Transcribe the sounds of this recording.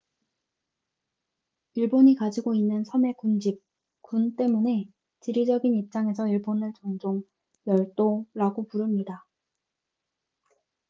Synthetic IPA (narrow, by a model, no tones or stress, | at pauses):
iɭboɲikad͡ʑiɡoinːɯnsʰʌme̞kund͡ʑip̚ | kunt͈e̞mune̞ | t͡ɕiɾid͡ʑʌɡinip̚t͡ɕ͈aŋe̞s̬ʰʌiɭbonɯɭt͡ɕʌŋd͡ʑoŋ | jʌɭt͈oɾaɡopuɾɯmɲida